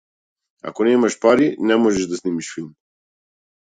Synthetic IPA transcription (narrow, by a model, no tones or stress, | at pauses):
a̰kɔnɛmaʃpaɾinɛmɔʒɛʒd̪asnimiʃfilˠm